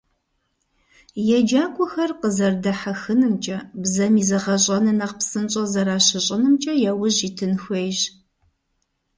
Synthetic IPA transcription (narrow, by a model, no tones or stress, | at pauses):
jɛd͡ʒaːkʷʼʊxɐrqəzɐrdɐħaxɨnɨmt͡ʃʼɐbzɐmiːzɐʁɐɕʼɐnɨnɐqpsɨnt͡ʃʼɐzɐɾaːɕɪɕʼɐnɨmt͡ʃʼɐjɛwʊʑiːtʰɨnxʷejʑ